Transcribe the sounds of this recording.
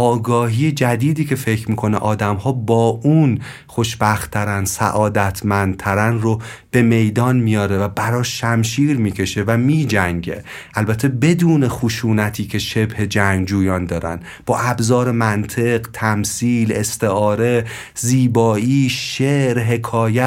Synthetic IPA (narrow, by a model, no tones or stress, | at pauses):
ʔɒːɡɒːɦiːjed͡ʒæd̪iːd̪iːcʰe̞fecʰɾmiːkʰo̞neʔɒːd̪æmhɒːbɒːun | xoʃbæxt̪ʰːæɾænsæ̰ʔɒːd̪æt̪ʰmænd̪̚t̪ʰæɾænrob̥e̞me̞jd̪ɒːnmijɒːɾevæbæɾɒːʃːæmʃiːɾmiːcʰe̞ʃe̞væmiːd͡ʒæŋɟe̞̰ | ʔælbæt̪ʰːe̞be̞d̪uːne̞xuʃuːnæt̪ʰiːcʰe̞ʃe̞bhe̞d͡ʒæŋɡd͡ʒuːjɒːnd̪ɒːɾæ̰n | b̥ɒːʔæbzɒːɾe̞mænt̪ʰe̞ɢt̪ʰæmsiːle̞st̪e̞ɒːɾe̞ | ziːbɒːiːʃeɾɦe̞kʰɒːjæ